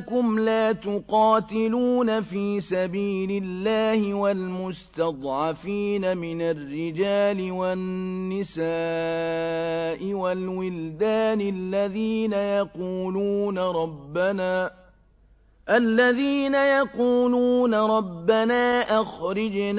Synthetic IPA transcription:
kʊmlaːt̪ʊqɑːt̪ɪluːnafiːsabiːlɪlːaːhɪwalmʊst̪ɑd̪ˤʕɑfiːnamɪnarːɪd͡ʒaːlɪwanːɪsaː | ʔɪwalwɪld̪aːnɪlːaðiːnajɑquːluːnaɾˤɑbːanaː | ʔalːaðiːnajɑquːluːnaɾˤɑbːanaːʔaxɾɪd͡ʒn

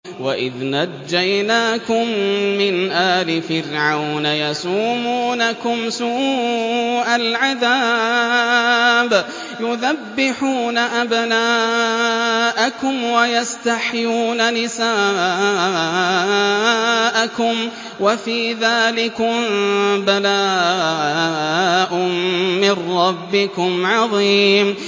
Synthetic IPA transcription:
waʔɪðnad͡ʒːajnaːkʊmːɪnʔaːlɪfɪrʕawnajasuːmuːnakʊmsuː | ʔalʕaðaː | b | jʊðabːɪħuːnaʔabnaː | ʔakʊmwajast̪aħjuːnanɪsaː | ʔakʊm | wafiːðaːlɪkʊmbalaː | ʔʊmːɪnɾɑbːɪkʊmʕɑðˤiːm

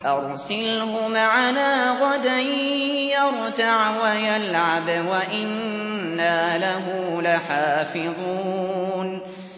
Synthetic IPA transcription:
ʔɑɾˤsɪlhʊmʕalaːɣɑd̪ajjɑɾˤt̪aʕwajalʕabwaʔɪnː | aːlaɦʊlaħaːfɪðˤuːn

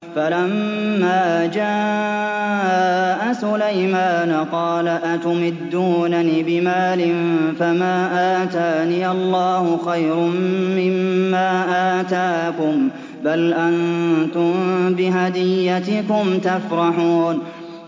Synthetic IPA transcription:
falamːaːd͡ʒaː | ʔaʔasʊlajmaːnqɑːlaʔat̪ʊmɪd̪ːuːnaniːbɪmaːlɪnfamaːʔaːt̪aːniːɑlːɑːhʊxajɾʊmːɪmːaːʔaːt̪aːkʊm | balʔant̪ʊmbɪɦad̪ɪjːat̪ɪkʊmt̪afɾˤɑħuːn

